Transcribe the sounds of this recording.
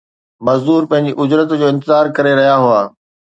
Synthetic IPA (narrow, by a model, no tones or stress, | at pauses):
mɐzd̪uːɾpɐ̃ɦɪ̃ɲ̆d͡ʑiʔʊd͡ʑɾət̪d͡ʑoːɪ̃nt̪ɪzaːɾkɐɾeɾɐɦijaɦʊaː